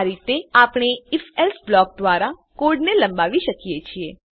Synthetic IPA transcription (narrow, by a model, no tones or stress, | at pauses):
ɾit̪eapɽ̃eifɛlsblɔk̚d̪ʋaɾa | koɾɖneləmbaʋiʃəkijet͡ʃʰie